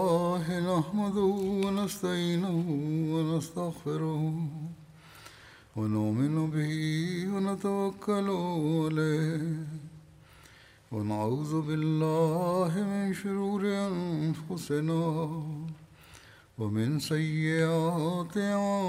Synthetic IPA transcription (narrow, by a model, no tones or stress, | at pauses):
ɦɪnahmad̪ʊwanast̪aʕiːnʊɦwanast̪ɐɣfɪɾʊh | wanʊʔmɪnʊbɪhiwɐnat̪awɐkːalʊalaːhh | wa̰naʕuːðʊbɪlːaːɦɪmɪnʃʊɾuːɾɪʔanfʊsɪnaː | wɐmɪnsɐjːɪʔaːt̪ɪaː